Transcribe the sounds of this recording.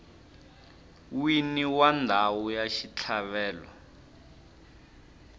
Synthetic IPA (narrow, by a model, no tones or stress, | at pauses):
winiwandʱawujaʃit͡ɬʰaβɛːlwa̰